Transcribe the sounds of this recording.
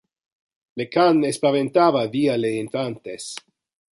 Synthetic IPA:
lekanespavent̪avavialeinfant̪es

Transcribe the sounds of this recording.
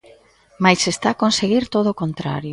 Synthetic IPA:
majsest̪akonseɣiɾt̪oð̞okont̪ɾa̰ɾjʊ

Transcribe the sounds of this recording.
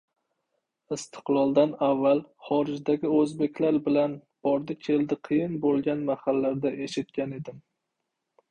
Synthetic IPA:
ɪst̪ʰɨ̥qlˠɒlˠd̪anavːalχɒɾɪd͡ʒd̪aɡʲɪɵzbe̞kʲlaɾbɪlanb̥ɒɾd̪ɪkʲʰe̞ld̪ɪqʰɨjɪnbolˠɡʲanmahalːaɾd̪aʔe̞ʃɪt̪̚kʲane̞d̪ɪm

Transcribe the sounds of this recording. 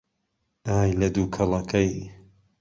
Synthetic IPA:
ʔaːjlɐd̪uːkʰɐlˠɐkʰɐj

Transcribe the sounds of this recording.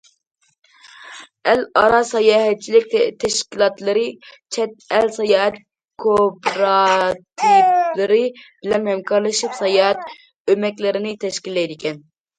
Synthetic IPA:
ɛlɑɾɑsɑjɑːɦɛt͡ʃʰilɪk̚ʲt̪ʰɛʃkʲilˠɑt̪lˠɨɾɨt͡ʃʰɛt̪̚ɛlsɑjɑːɛt̪̚ | kʰopɾɑt̪ʰivlɨɾɨb̥ɪlɛmhɛmkʰɑɾlˠɨʃipsɑjɑːɛt̪ | ømɛkʲlɪɾɪnɪt̪ʰɛʃkʲilːɛjd̪ɪkʲɛn

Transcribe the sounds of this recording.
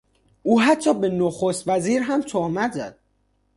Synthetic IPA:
uːɦæt̪ʰːɒːbe̞noxost̪væziːɾɦæmt̪ʰohmæt̪ʰzæ̰d̪̥̚

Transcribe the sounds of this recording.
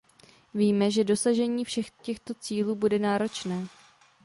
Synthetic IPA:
viːmɛʒɛdo̞saʒɛɲiːfʃɛxcɛxt̪o̞t͡siːluːbudɛnaːɾo̞t͡ʃnɛː

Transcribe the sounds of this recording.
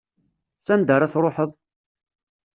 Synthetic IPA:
θænd̪əɾˤaθɾˤoħəðˤ

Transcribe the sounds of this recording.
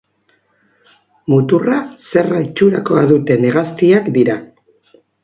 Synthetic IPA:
mut̪urase̞rait͡ʃuɾako̞aðut̪e̞ne̞ɣast̪iakd̪iɾa

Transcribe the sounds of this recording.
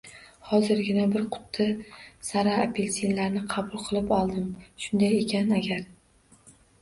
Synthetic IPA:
hɒzɪɾɡʲɪnabɪɾqʰʊ̥t̪ʰːɪsaɾaːpʰelsinlaɾnɪqʰɑbʊlˠqʰɨlˠɪpɒlˠd̪ɪmʃʊnd̪aje̞kʲʰanaɡʲaɾ

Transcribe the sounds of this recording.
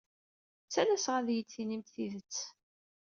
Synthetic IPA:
t͡sːælæsʁæðjət͡sːinimt̪θiðət͡sː

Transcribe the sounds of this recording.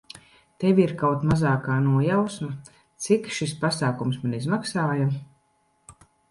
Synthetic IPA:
t̪evʲiɾkawt̪mazaːkaːnuɔjawsma | t̪sikʃispasaːkumsmanʲizmaksaːjam

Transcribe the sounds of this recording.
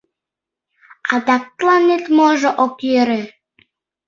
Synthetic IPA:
ɑd̪ɑk̚t̪lˠɑnet̪moʒoʔokjøɾe

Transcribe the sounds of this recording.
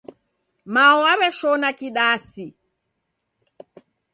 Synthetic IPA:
maɔaβɛʃɔnakiɗasi

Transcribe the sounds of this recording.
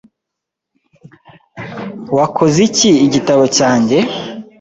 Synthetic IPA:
wakʰoziciːɟitaβo̞caːɲɟe̞

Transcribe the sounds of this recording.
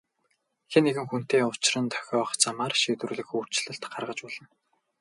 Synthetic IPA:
xeneɣɘ̆ŋxun̥t̪eːʊt͡ɕɪrə̆nt̪ʰœ̥xʲɔːχt͡samaːrʃiːt̪wɘɮɘ̆xur̥t͡ɕɮə̆ɬt̪ɢarʁə̆t͡ɕpɔɮ̥ɞ̆n

